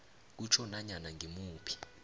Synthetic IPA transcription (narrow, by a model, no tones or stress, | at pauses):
k̬ut͡ʃʰɔnaɲanaŋɡʱimuːpʰi̥